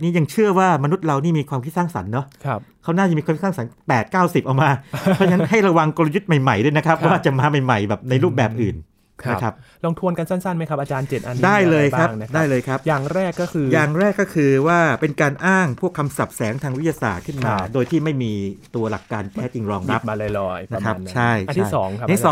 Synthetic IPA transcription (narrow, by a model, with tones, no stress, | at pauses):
niː˦˥ja˧ŋt͡ɕʰɯ˥˩ɐwaː˥˩ma˧nu˦˥t̪̚ɾa˧wniː˥˩miː˧kʰwaː˧mkʰi˦˥t̪saː˥˩ŋsa̰˩˦nːɔ˦˥kʰkʰa˦˥wnaː˥˩jmi˧ka˧kʰsa˥˩ŋ˩sa˩˦npɛː˨˩t̪̚kaː˥˩wsi˨˩p̚ʔa˨˩wmaː˧ɔ˦˥t͡ɕaŋna˥nɦa˥˩jɾa˧wa˧ŋko˧la˧ju˦˥t̪̚ma˨˩jma˨˩jdu˥˩˨na˦˥kʰa˦˥p̚waː˥˩t͡ɕa˨˩maː˧ma˨˩jma˨˩jbɛː˨˩p̚na˧jɾuː˥˩p̚bɛː˨˩p̚ʔɯː˨˩n | na˦˧kʰa˦˥p̚ | lo˧ŋt̪ʰu˧ənka˧nsa˥˩nsa˥˩nma˦˥jkʰa˦p̚ʔaː˧t͡ɕaː˧nt͡ɕe˨˩ʔa˧ndaː˥˩jlɤː˧jkʰa˦˥ŋdaː˦˥˩jlɤː˧jkʰa˦˥p̚jaː˨˩ŋɾɛː˥˩kːɔ˥˩kʰɯː˧jaː˨˩ŋɾɛː˥˩kːɔ˥˩kʰɯː˧waː˥˩pe˧nkaː˧nʔaː˥˩ŋpʰu˥˩əkʰːa˧msa˨˩p̚sɛː˩˦ŋt̪ʰaː˧ŋw̪̚ja˧sa̰ː˨˩t̪̚kʰɯ˥˩nmaː˧doː˧jt̪ʰiː˥˩ma˥˩jmiː˧t̪u˧ɐla˨˩kːaː˧nt̪ʰɛː˦˥t͡ɕi˧ŋɾɔː˧ŋɾa˦˥p̚aː˧lːlɔː˧jna˦˧kʰa˦˥˧pt͡ɕʰa˥˩ja˧t̪ʰi˥sɔː˩˦ŋk̪ʰːsɔː˩˦